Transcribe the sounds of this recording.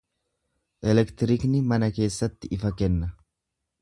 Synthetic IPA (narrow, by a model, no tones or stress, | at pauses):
ʔɛlɛkt̪ɪɾɪknɪmɐnɐke̞ːsːɐt̪ːɪɪfɐkɛnːɐ